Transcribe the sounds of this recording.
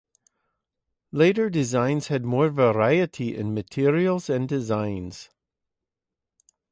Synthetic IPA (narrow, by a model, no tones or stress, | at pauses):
leɾə˞dɪzãɪ̃nz̥hɨd̚mɔɹvəɹaɪɨʔiʔɪ̰̃nmɨtʰɪɹiəlˠzə̃ndɪzãɪ̃nz̥